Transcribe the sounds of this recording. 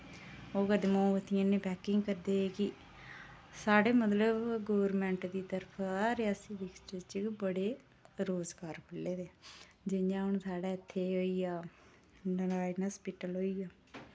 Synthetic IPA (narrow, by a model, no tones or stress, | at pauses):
oːkəd̪mõːʋət̪ʰɪjãːnẽːpɛːkɪŋɡkəɾd̪eːeːkɪ | saːɽeːmət̪ləbɡoːʋəɾmɛ̃ːɳʈd̪iːt̪əɾpʰaɾɪjaːsiːbɪksʈit͡ʃəkbəɽeː | ɾoːzɡaːɾkʰəlːeːd̪eː | d͡ʒɪɲd͡ʒãːɦʊɳsaːɽaːɪt̪ʰːeːɦoːiːaː | nɾaːnɦəspiʈəlɦoːiːaː